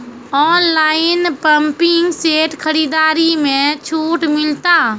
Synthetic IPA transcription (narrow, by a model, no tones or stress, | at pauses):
ɔːnlaːɪnpəmpɪŋɡseːʈkʰəɾiːd̪aːɾimẽt͡ʃʰuːʈmɪlt̪aː